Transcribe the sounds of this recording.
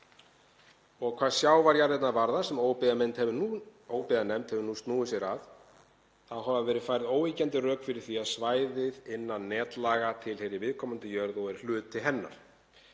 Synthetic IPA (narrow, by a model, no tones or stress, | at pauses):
ɔɣkʰv̥aːðsjaːwvaɾjaɾðɪt̪navaɾðasɛmoːwpɪðamɛnt̪hɛvuoːwpɪðanɛmt̪hɛvʏɾnust̪nuːɪsjɛɾað | θaðɦavaðvɛːɾɪfaːjɾɪðoːwvicɛnt̪ɪrœːkfɪɾɪɾ̥θiaðsvaːjðɪðɪnːannɛːt̪laːɣat̪ʰɪlhejɾɪvɪðkʰɔmant̪ɪjœɾðɔɣɛɾ̥l̥ʏːt̪ʰːɪɦɛnːa̰ɾ̥